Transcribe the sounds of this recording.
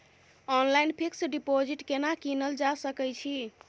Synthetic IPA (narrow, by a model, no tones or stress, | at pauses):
ɔnlainpʰiksɖipod͡ʒiʈkenakinəld͡ʒasəkɛjt͡ʃʰi